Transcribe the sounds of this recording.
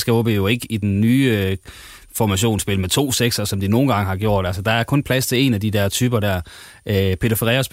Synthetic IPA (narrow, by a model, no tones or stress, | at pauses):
sɡ̥æɔb̥ejoe̝ɡ̥əid̥enːyː | fɒmæɕo̝̰ːnsb̥e̝lmet͡sʰo̝̰ːseɡ̥sɐsɒ̽md̥ino̝ːn̩ɡ̥ɑ̈ŋəhɑ̈ɡ̥jo̝ɐ̰d̥ælsəd̥ɑ̈æɐkʰɔ̽npʰlæst͡sʰe̝e̝næd̥id̥æɐ̰t͡sʰyːb̥ɐdæɐ̰ | ʔøpʰe̝ːd̥ɐfeʁɛːɐsb̥